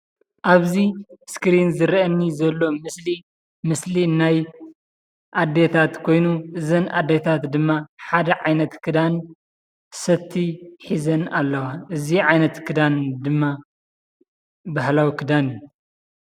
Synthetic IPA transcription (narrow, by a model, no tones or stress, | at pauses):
ʔaβziskɾinzɨɾʔɐnːizɐlːo̞mɨsli | mɨslinaj | ʔad̪et̪ʰat̪kʰo̞jnuʔɨzɐnʔa̰d̪et̪ʰat̪d̪ɨmːaħad̪ɐʕajnɐt̪kʰɨd̪an | sɐt̪ʰːiħizɐnalːɐwaʔɨziʕajnɐt̪kʰɨd̪and̪ɨmːa | bahlawikʰɨd̪aniju